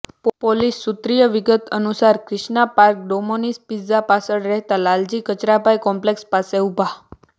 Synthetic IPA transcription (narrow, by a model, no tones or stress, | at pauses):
ppolisːut̪ɾijəʋiɡət̪ənusaɾkɾɪʃɳapaɾk̚ɖomonispid͡zapasəɽɾɛɦt̪alald͡ʑikət͡ʃɾapajkɔmplekspaseubʱa